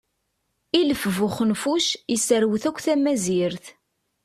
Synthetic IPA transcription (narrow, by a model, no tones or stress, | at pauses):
iləfvʊχənfuʃisəɾwθækʷːθæmæziɾθ